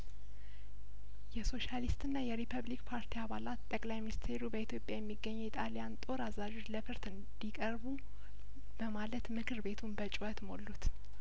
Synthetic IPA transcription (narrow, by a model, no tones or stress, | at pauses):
jɛso̞ʃalist̪ɨnːajɛɾipʰəβlikpʰaɾt̪ʰiaβalat̪t̪ʼəkʼlajminist̪ʰe̞ɾubəit̪ʰjo̞pʼjajɛmːiɡːəɲːɛit̪ʼalijant̪ʼo̞ɾazad͡ʒo̞t͡ʃləfɨɾt̪ɨnd̪ikʼəɾβu | b̥əmalət̪mɨkʰɨɾbe̞t̪ʰunbət͡ʃʼwət̪molːut̪